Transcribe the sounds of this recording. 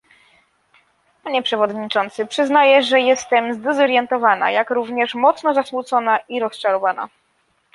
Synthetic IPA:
paɲɛpʂɛvɔd̪ɲit͡ʂɔnt̪sɘpʂɘznajɛʐɛjɛst̪ɛmzd̪ɛzɔɾjɛnt̪ɔvana̰jakɾuvɲɛʂmɔt̪snɔzasmut̪sɔnaiɾɔst͡ʂaɾɔvana̰

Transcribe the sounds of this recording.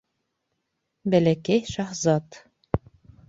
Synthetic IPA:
bælækæjʃɑhzɑt̪

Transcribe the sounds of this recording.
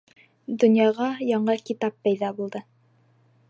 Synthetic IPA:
d̪ɵ̆njɑʁɑjɑɴɤkit̪ɑp̚ːæjðɑbulˠd̪ɤ

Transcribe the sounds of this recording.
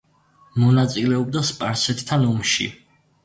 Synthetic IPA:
mɔnat̪sʼilɛɔb̚d̪aspʼaɾsɛt̪ʰt̪ʰːanɔmʃḭ

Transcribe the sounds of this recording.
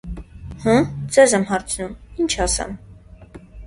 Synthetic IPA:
hə̃d͡zɛzɛmɦɑɾt͡sʰnumint͡ʃʰɑsɛ̰m

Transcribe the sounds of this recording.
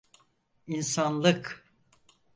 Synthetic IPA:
insanlˠɯk

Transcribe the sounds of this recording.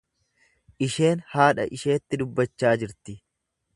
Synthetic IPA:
ʔɪʃe̞ːnhaːᶑɐ̰ʔɪʃe̞ːt̪ːɪd̪ʊbːɐt͡ʃːaːd͡ʒɪɾt̪ɪ

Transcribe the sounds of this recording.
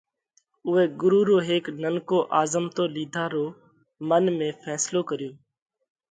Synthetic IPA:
ʊeːɡʊɾuːɾoːɦeːknənkoːʔaːzəmt̪oːliːd̪ʱaːɾoː | mənmẽːfʰɛːsloːkəɾɪjoː

